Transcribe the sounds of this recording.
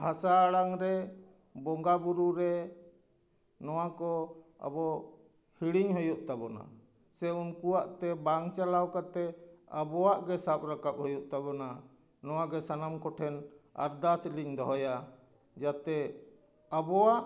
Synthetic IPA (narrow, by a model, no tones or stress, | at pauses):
bʱasaːɽaŋɾɛ | bɔŋɡabuɾuɾɛ | nɔwakɔa̰bɔ | hiɽiɲɦɔjuʔt̪abɔna̰ | sɛunkuwaʔt̪ɛbaŋt͡ʃalawkat̪ɛabɔwaʔɡɛsap̚ɾakap̚ɦhɔjuʔt̪abɔna | nɔwaɡɛsanamkɔʈʰɛna̰ɾd̪asliɲd̪ɔɦɔja | d͡ʒat̪ɛ | abɔwaʔ